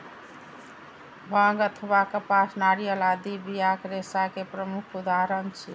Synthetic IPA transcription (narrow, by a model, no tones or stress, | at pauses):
bʱə̃ɡət̪ʰβakəpasnaɾijəlad̪ibijakɾesakepɾəmukʰud̪aɾənt͡ʃʰḭ